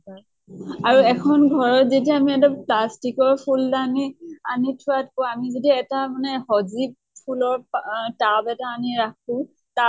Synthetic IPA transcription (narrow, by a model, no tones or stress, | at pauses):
aɹuɛkʰɔnɡʱɔɹɔɹzetiaːmiɛtɔplastikɔɹpʰuldanianitʰʊatkɔamizodiɛtamanɛhɔzib̚ | pʰulɔɹptabɛtaːniɹak̚ʰũ | ta